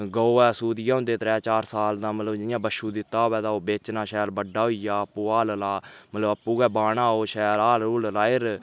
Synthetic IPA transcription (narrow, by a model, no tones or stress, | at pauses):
ɡəoːɛːsuːd̪ɪjãːʊ̃nd̪eːt̪əɾɛːt͡ʃaːɾsaːld̪ãːmət̪ləbd͡ʒɪjãːbəʃuːd̪ɪt̪ːaːoːʋɛːd̪aːoːbeːt͡ʃnãːʃɛːɾbəɖːaːɦoijaːəpːuːaːllaːmət̪ləbəpːuːɡɛːbaːɳãːoːʃɛːɾaːluːllaːɪɾ